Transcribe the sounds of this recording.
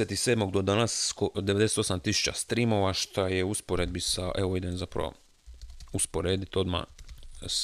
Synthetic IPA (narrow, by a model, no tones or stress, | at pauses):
et̪iseːd̪mo̞ɡd̪o̞d̪anaskod̪e̞ʋe̞d̪eset̪osamt̪isu̥t͡ɕast̪ɾimo̞ʋaʃt̪ʰajeuspoɾed̪bisaʔeʋoid̪enzapɾa̰o̰ | uspo̞ɾeːd̪it̪o̞d̪ma̰